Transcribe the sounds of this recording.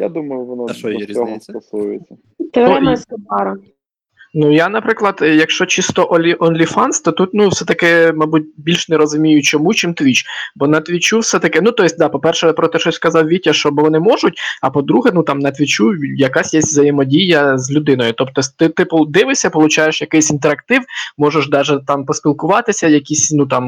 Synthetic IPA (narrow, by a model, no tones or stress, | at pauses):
jad̪umɐjʊʋɔnɔɔɦɔst̪ɔsujɪt͡sʲːɐ | t̪ɪɔskɪpɑɾɐ | nujanɐpɾɪklˠɐd̪jɐkʃt͡ʃɔt͡ʃist̪ɔʔɔlʲiʔɔnlʲifɑnst̪ɔt̪ut̪nuwsɛt̪ɐkɪmɑbut̚ʲbʲilʲʃnɛɾɔzʊmʲijʊt͡ʃɔmut͡ʃɪmt̪ʋʲit͡ʃbɔnɐt̪ʋʲit͡ʃuwsɛt̪ɐkɪnut̪ɔjɪs̚ʲd̪ɑpɔpɛrʃɛpɾɔt̪ɛʃɔsʲskɐzɑwʋʲitʲːɐʃt͡ʃɔbɔʋɔnɪmɔʒʊtʲɐpɔd̪ɾuɦɛnut̪ɑmnɐt̪ʲʋʲit͡ʃujɐkɑsʲjɛsʲtʲʋzɐjɪmɔdʲijɐzlʲʊd̪ɪnɔjʊt̪ɔpt̪ɔsʲt̪ɪt̪ɪpɔd̪ɪʋɪsʲɐpɔlˠʊt͡ʃɑjeʃjɐkɪjsʲint̪eɾɐk̚t̪ɪwmɔʒɛʃd̪ɑʒɛt̪ɑmpɔsʲpʲilˠkʊʋɑt̪ɪsʲɐjɐkʲisʲnut̪ɑm